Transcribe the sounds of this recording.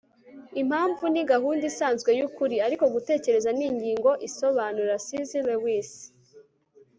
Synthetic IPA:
im̥haːɱvuniɡaɦuːndisaːnzɡwe̞jukuɾiaɾiko̞ɡute̞ːce̞ɾe̞zaniɲɟiːŋɡo̞ʔiso̞βaːnuɾasizilewis

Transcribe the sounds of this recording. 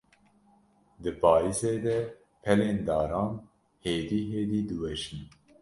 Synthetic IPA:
d̪ɨpʰɑːiseːd̪ɛ | pʰɛleːnd̪ɑːɾɑːn | heːd̪iːɦeːd̪iːd̪ɨwɛʃin

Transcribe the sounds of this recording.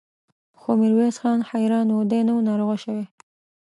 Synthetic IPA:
xomɪɾwesxɑnxajɾɑnwod̪enawnɑɾoɣaʃəwe

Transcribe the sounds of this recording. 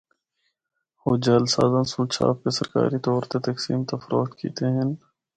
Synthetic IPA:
hoːd͡ʒaːlsaːzansũːt͡ʃʰa̰ːp̚kesɐɾka̰ːɾit̪ɔːɾt̪et̪ɐksiːmt̪ɐfɾoːt̪kʰḭːt̪eɦɪ̃n

